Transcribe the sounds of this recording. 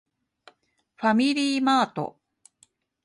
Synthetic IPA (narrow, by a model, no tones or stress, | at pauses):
ɸamʲiɾʲiːmaːt̪o̞̰